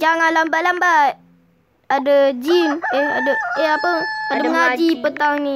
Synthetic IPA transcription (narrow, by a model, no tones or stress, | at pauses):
d͡ʒaŋanlambaʔlambat | adəd͡ʒinea̰dəeapəadəəŋad͡ʒipət̪aŋni